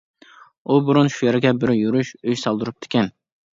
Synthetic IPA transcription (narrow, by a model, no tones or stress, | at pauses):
ubuɾunʃujeɾɪɡʲɛbɪɾjuɾuʃøjsɑlˠd̪ɨɾup̚t̪ʰɪ̥kʲʰɛn